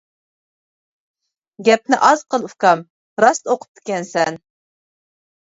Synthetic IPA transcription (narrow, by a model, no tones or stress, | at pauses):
ɡʲɛp̚nɪʔɑzqəlˠufkɑm | ɾɑst̪oqʰʊ̥p̚d̪ʰɪ̥kʲɛnsɛn